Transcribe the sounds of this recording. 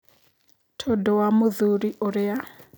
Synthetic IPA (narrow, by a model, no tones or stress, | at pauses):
tʰɔdɔwamuðuɾiʔɔɾɛa